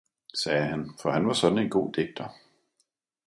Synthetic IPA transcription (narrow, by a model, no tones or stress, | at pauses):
sɛːhænfɒ̽hænʋɑ̈sɒ̽d̥n̩e̝nɡ̥o̝̰ːd̥eɡ̥̚d̥ɐ